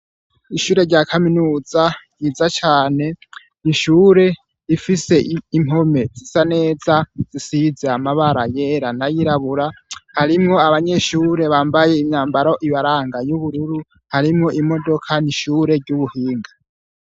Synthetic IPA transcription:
iʃuːɾe̞ɾɟakʰaminuːzajizat͡ʃaːne̞ | niʃuːɾe̞ | ifise̞im̥o̞me̞zisane̞ːzaz̥isizeamaβaɾaje̞ɾanajiɾaβuɾahaɾimŋo̞aβaɲe̞ʃuːɾe̞βaːmbaje̞imɲaːmbaɾo̞ʔiβaɾaːŋɡajuβuɾuɾu | haɾimŋo̞ʔimo̞do̞kʰaniʃuːɾe̞ɾɟuβuhiːŋɡa

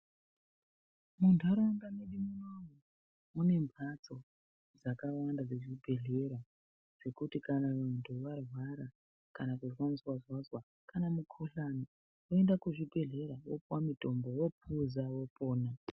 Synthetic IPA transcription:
mundʱaɾoŋɡaneɗimunomu | une̞mpʰat͡so̞ | d͡zakawandad͡zeʐibʱe̞ɮe̞ɾa | ʐ̥e̞kutikanaʋantʰuʋarwaɾa | kanakuʐwaniswazwazwa | kanamukʰoɬani | woendakuʐibʱe̞ɮe̞ɾawopwamito̞mbowo̞p̚ʰuzawo̞po̞ːna

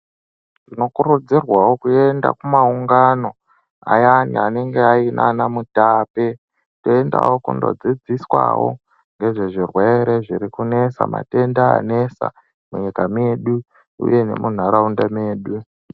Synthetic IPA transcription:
tino̞kurud͡zirwawo̞kue̞nda̰kumauŋɡano̞ | a̰janḭane̞ŋɡe̞ainʔanamutaːpe | toenda̰wokundo̞̰d͡zid͡ziswa̰wo̞̰ | ŋɡe̞ʐe̞ʐirwe̞ɾe̞ʐiɾikune̞sa̰ma̰tendaa̰ne̞sa̰ | muɲikame̞ɗu | ṵje̞ne̞̰mun̤aɾaundameːɗu

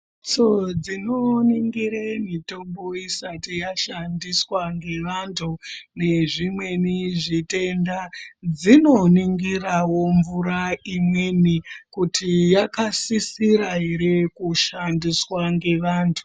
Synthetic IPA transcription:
t͡sod͡zinoniŋɡiɾemito̞mbo̞isatijaʃandiswaŋɡe̞ʋantʰune̞ʐimwe̞niʐite̞ndad͡zino̞niŋɡirawo̞ɱvuɾaimwe̞nikutʰijakasisiɾaɦeɾekuʃandiswaŋɡe̞ʋaːntʰu̥

